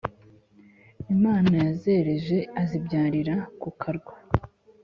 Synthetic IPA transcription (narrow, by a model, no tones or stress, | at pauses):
imaːnajaze̞ɾe̞ʒe̞azibɟaːɾiɾakukʰaɾɡwa